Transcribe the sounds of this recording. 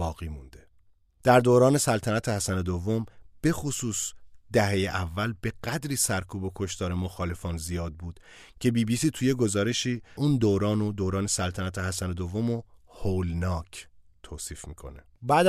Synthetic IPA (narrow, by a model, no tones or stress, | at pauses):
bɒːɣiːmund̪e̞ | d̪̥æɾd̪oːɾɒːne̞sælt̪ʰænæt̪ʰehæsæne̞d̪ovːo̞mb̥e̞xosuːsd̪̥æɦe̞jeʔævːælbe̞ɢæd̪ɾiːsæɾkʰuːbo̞kʰo̞ʃt̪ɒːɾe̞mo̞xɒːle̞fɒːnzijɒːd̪̚buːd̪̥ | cʰe̞biːbiːsiːt̪ʰuje̞ɡo̞zɒːɾe̞ʃiːuːnd̪oːɾɒːnod̪oːɾɒːne̞sælt̪ʰænæt̪ʰehæsæne̞d̪ovːo̞mohoːlnɒːcʰt̪ʰoːsiːfmḭːkʰo̞̰ne | bæːd̪